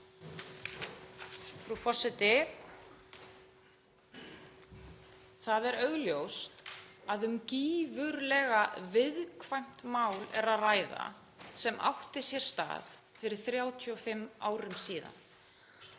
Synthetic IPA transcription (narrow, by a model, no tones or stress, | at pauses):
fɾafɔr̥sɛt̪ɪ | θaðɛɾœɣljowst̪aðʏmciːvʏɾlɛɣavɪðkʰvajm̥t̪maːwlɛ̰ɾaðraːjða̰ | sɛmʔa̰wht̪ɪsjɛɾ̥st̪a̰ːð | fɪɾɪɾ̥θɾjaːwt̪ʰiɔfɪmːaːwɾɪmsiːða̰n